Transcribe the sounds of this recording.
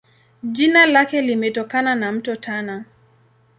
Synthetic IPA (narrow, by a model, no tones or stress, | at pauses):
d͡ʒinalakɛlimɛtɔkananam̩tɔtʰana